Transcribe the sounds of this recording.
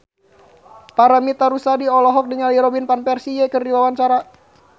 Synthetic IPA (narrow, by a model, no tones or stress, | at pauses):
paɾamit̪aɾusadiɔlɔɦɔk̚diŋaliɾɔbinpanpɛrsijɛkərdiwawaɲt͡ʃaɾa